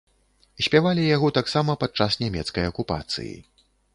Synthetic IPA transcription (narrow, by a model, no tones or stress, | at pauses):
sʲpʲavalʲijaɣɔt̪aksamɐpat̪̚t͡ʂasnʲamʲɛt̪skɐjɐkupa̰t̪sɨ̰jḭ